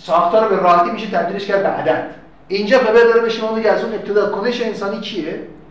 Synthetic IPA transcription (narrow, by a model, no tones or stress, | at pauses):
sɒːxt̪ʰɒːɾobeɾɒːɦet̪imiʃet̪ʰæb̚d̪ileʃcʰæɾd̪̚beʔæ̰d̪æd̪̥ | ind͡ʒɑxebæɾd̪ɒɾebeʃomɑːmeɟæsumep̚t̪ʰed̪ɑːkʰoneʃeːnsɑːniːt͡ʃʰije